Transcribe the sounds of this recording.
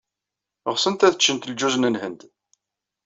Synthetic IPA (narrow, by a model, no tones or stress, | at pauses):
ʁsənt̪æθət͡ʃːənt̪əld͡ʒuznənhənd̪